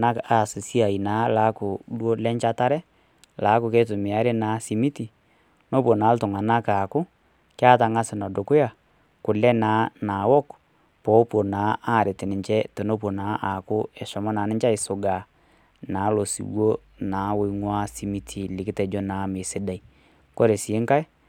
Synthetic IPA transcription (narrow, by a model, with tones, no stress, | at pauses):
na˦ka˦˨sɪ˨si˦a˨i˨na˨˦la˨˦kʊ˨dwo˦lɛ˦ɲt͡ʃa˦ta˦ɾɛ˦ | la˨˦kʊ˨ke˦tʊ˨mɪ˨a˦ɾe˦naː˨˦si˨mi˦ti˨ | no˦pwo˨naː˨˦ltʊ˨ŋa˨na˦ka˨kʊ˦ | kja˦ta˨ŋa˦sɪ˨na˨do˨kʊ˦ja˨ | kʊ˨lɛ˦naː˨˦na˨wɔ˦k | pɔ˨˦pwo˨naː˨˦a˦˨ɾɪ˨tɪ˨nɪ˨ɲt͡ʃɛ˦tɛ˨no˦p̬wo˨naː˨˦ʔa˨kʊ˦ɛ˨ʃɔ˨mɔ˦na˨˦nɪ˦ɲt͡ʃa˦ɪ˨sʊ˨ɡa˨ | naː˨˦lo˨sḭ˨wwo˦ | naː˨˦we˦ŋwa˦si˨mi˦tʰi˨lɪ˨kɪ˦tɛ˨d͡ʒo˦naː˨˦mɪ˨sɪ˦da˨i˨ | kɔ˦ɾe˨si˨e˦ŋka˦j